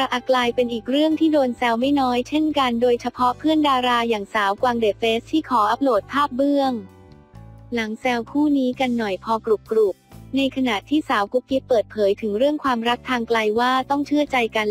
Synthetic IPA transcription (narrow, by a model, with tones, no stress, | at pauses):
ɾa˧ʔa˨˩klaː˧jpe˧nʔiː˨˩k̚ɾɯ˥˩əŋt̪ʰiː˥˩doː˧nsɛː˧wma˥˩jnɔː˦˥jt͡ɕʰe˥˩nka˧ndoː˧jt͡ɕʰa˧pʰɔ˦˥pʰɯ˥˩əndaː˧ɾaː˧jaː˨˩ŋsaː˩˦wkwaː˧ŋdeː˨˩feː˦˥st̪ʰːiː˥˩kʰɔː˩˦ʔa˦˥p̚loː˨˩t̪̚pʰːaː˥˩p̚bɯ˥˩əŋ | la˩˦ŋsɛ˧wkʰuː˥˩niː˦˥ka˧nːɔ˨˩jpʰɔː˧kɾu˨˩p̚kɾu˨˩p̚na˧jkʰa˧na˨˩t̪ʰːiː˥˩saː˩˦wku˧˥ki˦˥t̚pɤː˨˩t̪̚pʰɤː˩˦jt̪ʰɯ˩˦ŋɾɯ˥˩əŋkʰwaː˧mɾa˦˥k̚t̪ʰːaː˧ŋkla˧jwaː˥˩t̪ɔ˥˩ŋt͡ɕʰɯ˥˩ət͡ɕa˧jka˧n